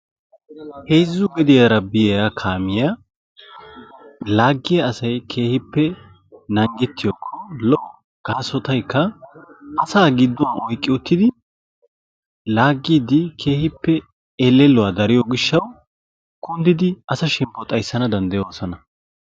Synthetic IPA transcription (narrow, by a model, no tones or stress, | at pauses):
hejzːʊɡɛd̪ɪjɐɾɐbɪjjakʰaːmɪja | laːɡːɪjɐːsɐjkʰe̞ːhɪpːɛ | nɐŋɡɛt̪ːɪjoːkʰːɔlɔ | ɡ̥aːsɔt̪ɐjkʰːɐ | ɐsaːɡɪd̪ːɔwnɔjkʼːɪʊt̪ːɪd̪ɪ | laːɡːid̪ɪkʰe̞ːhɪpːɛ | elːɛlːɔwad̪ɐɾɪjɔɡɪʃːɐw | kʊnd̪ɪd̪ɪʔɐsɐʃɛmpːɔt̪ʼɐjsːɐnɐd̪ɐnd̪ɐjosɐnɐ